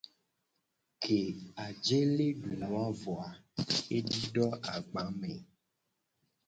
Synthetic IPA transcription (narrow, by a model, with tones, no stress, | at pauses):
kʰe˨a˨d͡ʒe˦le˦ɖu˨nũ˨˦a˦vɔ˨a˨e˦ɖi˦ɖɔ˦a˨ɡ͡ba˨˦me˨